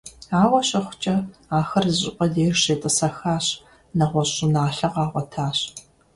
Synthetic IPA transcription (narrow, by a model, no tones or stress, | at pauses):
aːwɐɕʼɐχʷʊ̥t͡ʃʼɐaːxɐrzɨɕʼɪpʼɐdeːrʂeːtʼɨsɐxaːɕ | nɐʁʷɔɕʼɪnaːɬɐqɑːʁʷɔtʰaːɕ